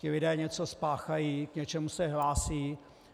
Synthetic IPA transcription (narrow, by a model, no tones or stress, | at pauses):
cɪlɪdɛːɲɛt͡so̞spaːxajiːkɲɛt͡ʃɛmusɛɦlaːsiː